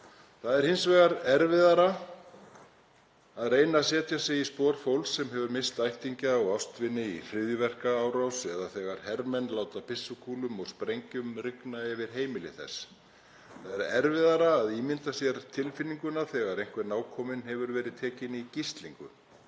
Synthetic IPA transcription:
θaðɛɾ̥hɪnsvɛːɣaɾɛɾvɪðaɾa | aðreːjnasɛːt̪jasɛispɔːɾ̥fowlsːɛmɦɛvʏɾmɪst̪ajht̪iɲcaɔwafst̪vɪnːɪifɾɪðjʏvɛr̥kaaːwɾawsɛðaθɛːɣaɾ̥hɛɾmɛnlaːwt̪apʰɪsːʏkʰuːlʏmɔɣspɾejɲcʏmrɪknaɛvɪɾ̥ɦeːjmɪlɪ̰θɛ̰sː | θaðɛɾɛɾvɪðaɾaːðiːmɪnt̪asjɛɾt̪ʰɪlfɪnːiŋkʏnaθɛːɣaɾejŋ̥kvɛɾnaːwkʰɔːmɪnɦɛvʏɾvɛːɾɪðt̪ʰɛːcɪnicist̪liŋkʏ̰

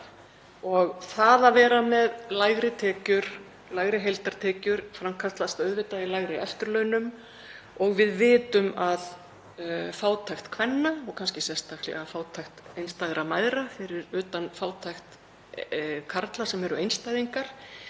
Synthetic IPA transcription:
ɔɣθaðavɛːɾamɛðlajɣɾɪt̪ʰɛːcʏɾ̥ | lajɣɾɪɦejlt̪aɾ̥t̪ʰɛːcʏɾ̥fɾamkʰaɾt̪last̪œðvɪt̪aɪlajɣɾɪʔɛft̪ʏɾlœːnʏm | ɔɣvɪðvɪːt̪ʏmað | faːwt̪ʰajxt̪kʰvɛnːaɔɣkʰanscɪsjɛnst̪axk̪lɛ̰ɣafaːwt̪ʰajxt̪ejnst̪ajðɾamajðɾafɪɾɪɾʏːt̪anfaːwt̪ʰajxt̪ | kʰaɾt̪lḁsɛmɛɾʏejnst̪aːjðiŋkaɾ̥

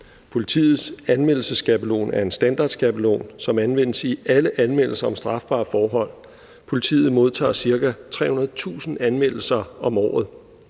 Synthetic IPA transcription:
pʰo̝lit͡sʰḭːð̞̩ˠsænmel̰l̩səsɡ̥æb̥əlo̝̰ːnæɐe̝nsd̥ænd̥ɑ̰̈ːd̥sɡ̥æb̥əlo̝̰ːnsɒ̽mænʋen̰əsiʔæləʔænmel̰l̩sɐɒ̽msd̥ʁɑ̈fb̥ɑ̰̈ːfɒːɦɒ̽l̰ | pʰo̝lit͡sʰḭːð̩ˠmo̝ð̞ˠt͡sʰɑ̰̈ːsiɐɡ̥æt͡sʰʁɛ̰ːhunɐð̩ˠt͡sʰṵːsn̩ænmel̰l̩sɐɒ̽mɒ̰ːð̩ˠ

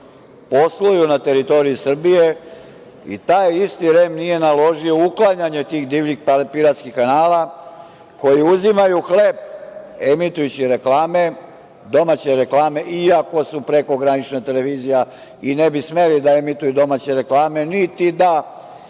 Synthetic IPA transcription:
po̞slojunat̪e̞ɾit̪o̞ɾijusr̩bije̞ | ḭt̪aːjist̪iɾemnije̞nalo̞ʒio̞uklˠaɲaɲe̞t̪iːxd̪iːʋnixpapiɾat̪skixkanaːla | ko̞jiuzimajuxle̞b̚emit̪ujut͡ɕiɾe̞klaːme̞ | d̪o̞mat͡ɕe̞ɾeklˠaːme̞ʔiako̞supɾe̞ko̞ɡɾanit͡ʃnat̪e̞leʋiːzija | inebisme̞lid̪aemit̪ujud̪o̞maːt͡ɕeɾeklaːme̞nit̪id̪a

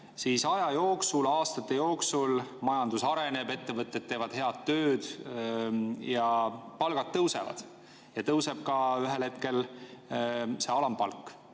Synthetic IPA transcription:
siːsɑjɑjo̞ːksulɑːst̪ɑt̪ːˑe̞jo̞ːksulmɑjɑnd̪̥usɑɾe̞ne̞be̞t̪ːe̞vɤt̪ːˑet̪̚tːe̞ːvɑd̪̥he̞ɑd̪̚t̪ːø̞ːd̪̥ | jɑpɑlɡ̥ɑd̪̚t̪ːɤwse̞̰vɑ̰d̪̥ | jɑt̪ɤwse̞b̥̚kɑyɦe̞lhet̪̚ke̞l | se̞ɑlɑmpɑlkːˑ

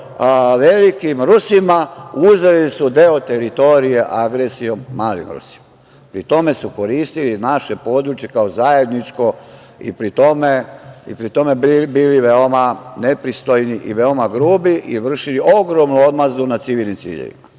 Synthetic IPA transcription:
ʋelikimɾusimauzelisud̪eot̪e̞ɾit̪o̞ɾijeʔaɡɾesio̞mːaːlḭmɾṵsi̥ma | pɾit̪o̞me̞suko̞ɾiːst̪ilinaʃe̞po̞ːd̪ɾut͡ʃje̞kaozaje̞d̪nit͡ʃko̞ | ḭpɾit̪o̞me̞ḭpɾit̪ome̞bbiːliʋeo̞mane̞pɾist̪o̞jniʔiʋeomaɡɾuːbiʔiʋr̩ʃiliʔo̞ɡɾo̞mnuo̞d̪mazunat̪siʋiːlnimt̪sḭːʎḛʋḭma

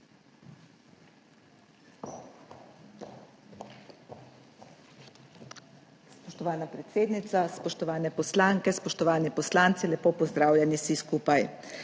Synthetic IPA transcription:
spɔʃt̪ɔʋaːnapɾɛt̪seːd̪nit̪saspɔʃt̪ɔʋaːnɛpɔslaːŋkɛspɔʃt̪ɔʋaːnipɔslaːnt̪silɛpoːpɔzd̪ɾaːwlʲjɛnisiskuːpaj

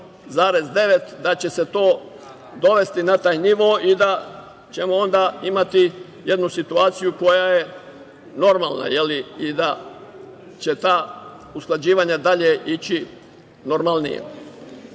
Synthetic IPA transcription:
zaːɾe̞zd̪e̞ʋe̞t̪d̪at͡ɕe̞se̞t̪o̞ː | d̪o̞ʋe̞st̪inat̪aːjniʋoːʔid̪a | t͡ɕe̞moo̞nd̪aːimat̪i | je̞d̪nusit̪uaːt̪sijuko̞jaje̞ | no̞ɾma̰ːlna̰je̞liid̪a | t͡ɕe̞t̪aː | usklˠad͡ʑiːʋaːɲad̪aʎeʔit͡ɕi | no̞ɾmalˠnḭjḛ

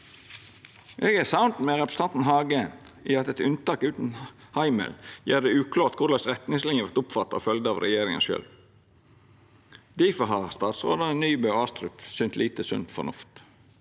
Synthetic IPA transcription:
ʔɛɡæːsaʊnt̪mɛːʁɛpɾəsɑnt̪n̩ɦɑːɡən | iːɑt̪ɛt̪ʉnt̪ɑːkʉːt̪n̩hɑɪmə̰ljæːd̪ɛʉːkʰlɑːʁt̪̚kʰʊlɑsɾɛt̪nɪŋslɪŋəʋɑʁt̪ʊpfɑt̪ːɑo̰ːfœld̪əɑːʋɾɛ̰jeːɾɪŋə̰nʃø̰ːl | d̪iːfəɦɑst̪ɑːt̪sʁo̰ːd̪ɑənyːbøɑːst̪ɾʉpsʏnt̪liːt̪əsʉ̰nt̪fɔ̰nʊft̪

